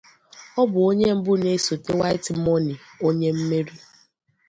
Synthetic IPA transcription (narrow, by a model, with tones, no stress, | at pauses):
ɔ˦bʊ˨o˦ɲe˦m̩˦bʊ˦ne˦so˨te˦wa˦ɪ˦ti˨mɔ˦ni˨ | o˦ɲe˦m̩˦me˦ɾi˦